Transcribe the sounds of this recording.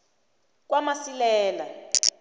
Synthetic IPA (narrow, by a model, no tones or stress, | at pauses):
k̬wamasilɛːla